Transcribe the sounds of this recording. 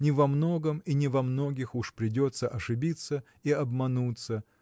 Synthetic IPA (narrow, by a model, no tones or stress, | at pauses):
nʲɪvɐmno̞ɡəminʲɪvɐmno̞ɡʲɪxuʂpɾʲɪdʲot̪səʔɐʂɨbʲit̪sə | iɐbmɐnut̪sə